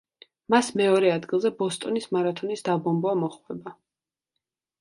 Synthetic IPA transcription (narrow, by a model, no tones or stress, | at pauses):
masmɛɔɾɛad̪ɡilˠzɛbɔst̪ʼɔnismaɾat̪ʰɔnisd̪abɔmbɔamɔχwɛba